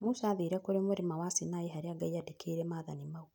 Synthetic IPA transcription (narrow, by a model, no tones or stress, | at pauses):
musaaðiɾɛkoɾemoɾemawasinaeɦaɾeaɡaiadekʰeːɾɛmaːðanimau